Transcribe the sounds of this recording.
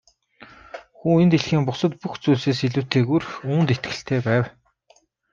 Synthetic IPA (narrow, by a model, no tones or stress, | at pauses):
xuːent̪eɮxiːmpʊsə̆t̪̚puxt͡suːɮseːsiɮŭːwt̪ʰeːɣurxuːnt̪et̪ɡɘ̆ɬt̪ʰeːpæːw